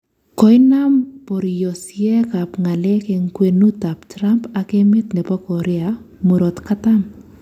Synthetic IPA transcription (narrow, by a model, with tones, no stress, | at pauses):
kɔ˨jna˦mpɔ˨ɾi˨jɔ˨sjɛ˦ka˨pŋa˨lɛ˦ke˨ŋkwe˨nu˦ta˨ptɾa˦mpa˨ke˦mɪ˦t̪nɛ˨pɔ˦kɔ˨ɾɛ˦amu˨ɾɔ˨t̪ka˦ta˦m